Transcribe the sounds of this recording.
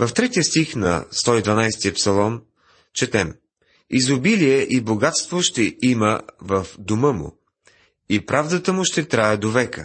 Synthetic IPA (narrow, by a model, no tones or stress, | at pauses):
vɐft̪ɾɛt̪iəst̪ixnɐ̰st̪ɔid̪vɐnajst̪iəpsɐlˠɔn | t͡ʃɛt̪ɛm | izʊbiliɛʔiboɡat̪st̪voʃt̪ɛiməvəfd̪omɤmʊ̰ | ipɾavd̪ət̪əmʊʃt̪ɛt̪ɾajəd̪ovɛkə̰